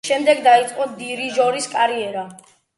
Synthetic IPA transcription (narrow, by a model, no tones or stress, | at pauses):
ʃɛmd̪ɛɡd̪ait̪sʼqʼɔd̪iɾiʒɔɾiskʼaɾiɛɾa